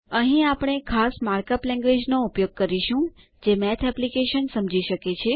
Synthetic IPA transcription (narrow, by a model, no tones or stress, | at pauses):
əɦĩapɽ̃ekʰasmaɾkəplɛ̃ŋɡʋed͡ʒnoupjoɡ̚kəɾiʃũ | d͡ʒemɛt̪ʰɛplikeʃənsəmd͡ʒiʃəket͡ʃʰe